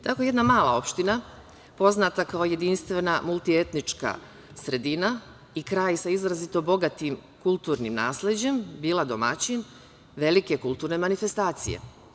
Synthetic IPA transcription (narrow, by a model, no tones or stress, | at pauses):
t̪akoje̞d̪namaːlˠa̰o̞pʃt̪ina | po̞znat̪akaoje̞d̪inst̪ʋe̞namulˠt̪ie̞t̪nit͡ʃka̰ | sɾe̞d̪ina | ikɾaːjsaizɾazit̪o̞bo̞ɡat̪im | kulˠt̪uːɾnimna̰ːsle̞d͡ʑe̞mbiːlˠad̪o̞mat͡ɕin | ʋe̞like̞kulˠt̪uːɾne̞manife̞st̪aːt̪sḭjḛ